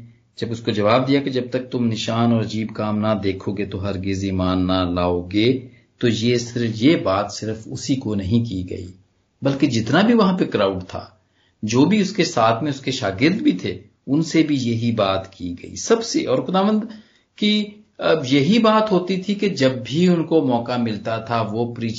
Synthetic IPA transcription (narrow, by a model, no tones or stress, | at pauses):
d͡ʒɐbʊskod͡ʒɐʋaːb̚d̪ijaked͡ʒɐb̚t̪ɐk̚t̪ʊmnɪʃaːnɔːɾɐd͡ʒiːbkaːmnad̪eːkʰoːɡet̪oɦɐɾɡɪzimaːnːalaːoɡeː | t̪oːjesɪɾfjebaːt̪sɪɾfʊsikonɐɦĩk̬iɡɐ̰ḭː | bɐlked͡ʒɪt̪nabʱiʋɐɦãpekɾaːʊɖt̪ʰa̰ː | d͡ʒoːbʱiʊskesaːt̪ʰmẽʊskeʃaːɡɪɾd̪bʱit̪ʰe | ʊnsebʱijɐɦibaːt̪kiɡɐḭːsɐbseʔɔːɾxʊd̪aːʋə̃nd̪ | ki | jɐɦibaːt̪ɦoːt̪it̪ʰiked͡ʒɐbːʱiʊnkomɔːkamɪlt̪at̪ʰaʋopɾiː